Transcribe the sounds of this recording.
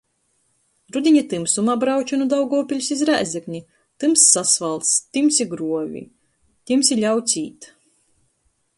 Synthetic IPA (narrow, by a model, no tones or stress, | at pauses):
ɾud̪ʲiɲat̪ɨmsumabɾawt͡ʃɔnud̪awɡɔɔpʲilʲusizɾæ̰ːzʲɛknʲi | t̪ɨmsːasvalˠt̪st̪ɨmsʲiɡɾuɔvʲḭ | t̪ʲimsʲilʲaw̪sʲiːt̪